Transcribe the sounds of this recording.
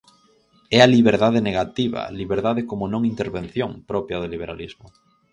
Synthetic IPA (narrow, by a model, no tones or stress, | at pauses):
ɛaliβeɾðaðɪneɣat̪iβɐ̰liβeɾðaðɪkomonõŋint̪eɾβẽn̟θjõŋpɾɔpjɐðeliβ̞eɾa̰lizmʊ